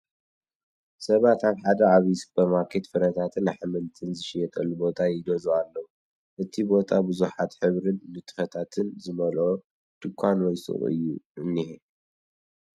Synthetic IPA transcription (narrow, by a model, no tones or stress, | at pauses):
sɐβat̪aβħad̪ɐaβisb̥ɐmakʰet̪fɨɾɐt̪ʰat̪ʰɨnaħmɨnt̪ʰɨnzɨʃijɛt̪ʼɐlːubo̞t̪ʼʰajɪd̪ɐzualːɐwu | ʔɨt̪ʰibo̞t̪ʰʼabɨzuħat̪ħɨβɾɨnnɨt̪ʰɨ̥fɐt̪ʰat̪ʰɨnzɨmɐlo | t̪ɨkʷʰːanwɔjsɨ̰χʼɨ̰jːṵʔɨnːihe